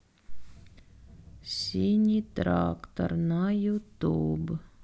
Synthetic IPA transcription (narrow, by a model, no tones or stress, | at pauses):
sʲiːɲʲit̪ɾa̰ːkt̪a̰ɾnajut̪uːb